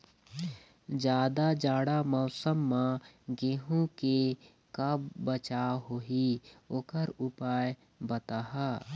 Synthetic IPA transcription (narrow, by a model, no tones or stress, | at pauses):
d͡ʒjaːd̪ad͡ʒaːɽamɔːsəmːãɡeːɦũke | kabət͡ʃaɦoɦioːkəɾʊpaːj | bət̪aːɦa